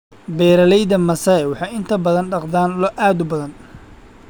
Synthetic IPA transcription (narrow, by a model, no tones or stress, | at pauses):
bɛːɾɐlɛjðɐmɐsɐɛwɑħɑjɪnt̪ʰɐbɐðɐnɖɑqd̪aːnlɔʔaːd̪ʊbɐðɐn